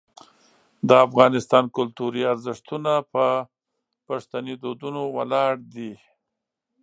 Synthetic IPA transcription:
d̪əafɣɑnɪst̪ɑnkʊlt̪uɾiaɾzɪʂt̪unapə | paʂt̪anid̪od̪unowalɑɽd̪i

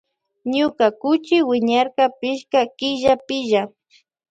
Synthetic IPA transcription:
ɲʊkakʊt͡ʃɪwɪɲaɾkapɪʃkakɪʒapɪʒa

